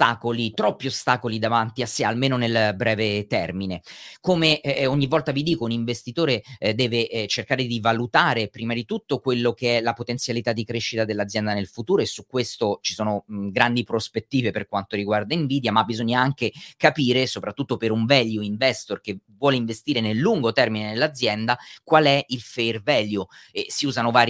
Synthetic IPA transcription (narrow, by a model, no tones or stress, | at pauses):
t̪aːkolit̪ɾɔpːiost̪aːkolid̪avant̪iasːealmeːnonelbɾɛːvet̪ɛrminekomeoɲːivːɔlt̪avid̪iːkouniɱvest̪it̪oːɾed̪ɛːveʔt͡ʃerkaːɾed̪ivalut̪aːɾepɾiːmad̪it̪ut̪ːokwelːok̟eɛlapot̪ent̪sjalit̪ad̪ːikɾeʃːit̪ad̪elːad̪zːjɛnd̪anelfut̪uːɾoesːukːwest̪ot͡ʃi̥soːnoɡɾand̪ipɾospet̪ːiːveperkwant̪oɾiɡward̪aiɱviːd̪jamabːizoɲːaaŋkekapiːɾesopɾat̪ːut̪ːopeɾuɱvɛljuiɱvɛst̪orkevwɔːleiɱvest̪iːɾenelːuŋɡot̪ɛrminenelːad̪zːjɛnd̪akwalɛilfejrvɛːljuɛsiuːzanovaːɾ